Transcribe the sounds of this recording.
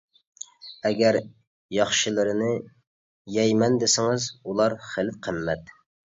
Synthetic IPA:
ɛɡʲæɾ | jɑχʃɨlˠɨɾɨnɨ | jɛjmɛnd̪ɪsɪŋɨzulˠɑɾχelɪp̚qʰəmːɛt̪

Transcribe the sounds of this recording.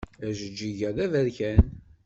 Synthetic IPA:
æʒəd͡ʒːiʝæðævæɾçæn

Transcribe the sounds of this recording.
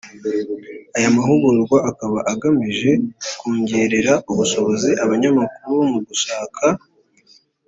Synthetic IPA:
ajamaɦuɡuɾuɾɡwaʔakaβaʔaɡamiʒe̞kuːɲɟeːɾeɾauβuʃo̞βo̞ziʔaβaɲamakuɾuβomuɡuʃaːkʰa

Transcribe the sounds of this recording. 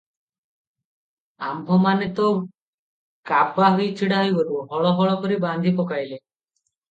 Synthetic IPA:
ambʱɔmanet̪ɔ | kab̚ʰʱaɦujt͡ʃʰiɽaɦijbɔɾuɦɔɭɔɦɔɭɔkɔɾiband̪ʱipɔkajle

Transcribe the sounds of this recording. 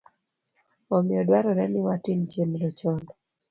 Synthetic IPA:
omɪɔdwaɾɔɾɛnɪwatɪmt͡ʃenɾɔt͡ʃɔnd

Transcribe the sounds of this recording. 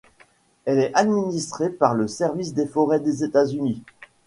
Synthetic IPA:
ɛlɛʔad̪minist̪χepaʁləsɛʁvis̬d̪efɔʁɛd̪ezet̪azyni

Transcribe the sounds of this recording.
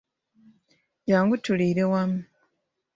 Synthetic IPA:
jaːŋɡutuliːɾewamu

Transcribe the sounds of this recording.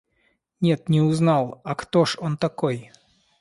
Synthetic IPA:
nʲet̪nʲɛuznɑlˠakt̪oʂont̪akoj

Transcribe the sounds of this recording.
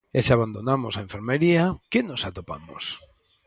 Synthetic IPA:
eseaβand̪onamosaẽɱfeɾmeɾiakɪnosat̪opa̰mo̰s

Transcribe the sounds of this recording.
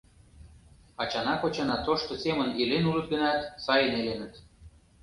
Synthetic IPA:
ɑt͡ɕɑnɑkot͡ɕɑnɑt̪oʃt̪osemənilenulə̆t̪̚ɡə̆nɑt̪sɑjənelenə̆t̪

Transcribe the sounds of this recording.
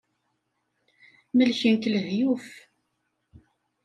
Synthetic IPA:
məlçənkləhjuf

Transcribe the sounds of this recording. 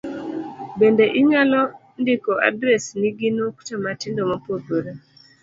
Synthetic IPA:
bendeʔiŋalɔ | ndɪkɔʔa̰dɾɛsniɡinuktɔmatɪndɔmapoboɾa

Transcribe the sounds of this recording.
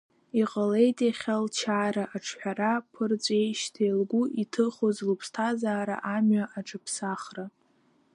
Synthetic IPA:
iqʼəle̞jtʼaχʲalt͡ʃʰaːɾaʔaʈ͡ʂʰħʷᶣaɾapʰɨrt͡sʷʼejʃtʰejlɡʷuʔitʰɨχozlupʰstʰazaːɾa̰ʔamɥaʔaʈ͡ʂʰʼɨpʰsaχra

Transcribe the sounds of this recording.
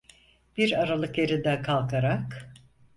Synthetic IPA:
b̥iɾaɾalˠɯkjeɾid̪ɛkʰalˠkʰaɾak

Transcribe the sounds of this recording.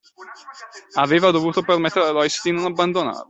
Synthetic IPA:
aveːvad̪ovuːt̪opermet̪ːeɾealɔjsd̪inonabːand̪ona̰ːɾ

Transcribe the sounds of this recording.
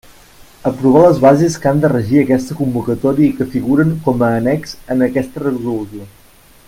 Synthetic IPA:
əpɾuβ̞aləzβazeskand̪ərəʒiəkɛst̪əkumbukət̪ɔɾiəikəfiɣuɾəŋkɔməːnɛkz̥ənəkɛst̪ərəβɾuluzio

